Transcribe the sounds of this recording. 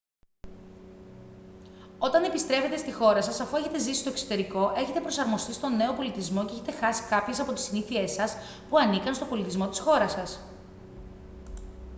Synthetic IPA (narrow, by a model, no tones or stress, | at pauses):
o̞t̪ɐne̞pist̪ɾe̞fe̞t̪e̞st̪ixo̞ɾɐsɐsɐfue̞çe̞t̪e̞zisi̥st̪oekso̞t̪e̞ɾiko̞ʔe̞çe̞t̪e̞pɾo̞sɐɾmo̞st̪ist̪o̞ne̞opo̞lit̪izmo̞ceçe̞t̪exɐsi̥kɐpçe̞sɐpo̞t̪i̥siniθie̞sɐs | puɐnikɐnst̪o̞bo̞lit̪izmo̞t̪isxo̞ɾɐsɐs